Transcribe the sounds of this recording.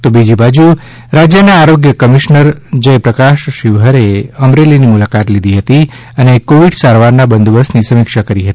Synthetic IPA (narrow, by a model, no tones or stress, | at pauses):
t̪obid͡ʒibad͡ʒu | ɾad͡ʒjənaːɾoɡjəkəmiʃnəɾd͡ʒəjpɾəkaʃʃɪʋɦəɾeəmɾelinimulakat̪lid̪iɦət̪i | ənekoʋiɖsaɾʋaɾnabənd̪bəsnisəmɪkʃakəɾiɦət̪i